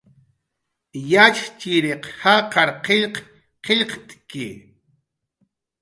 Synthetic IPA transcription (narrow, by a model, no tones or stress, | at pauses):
jat͡ʃt͡ʃiɾeqhaqɑɾqeʎq | qeʎqt̪ʼkɪ̰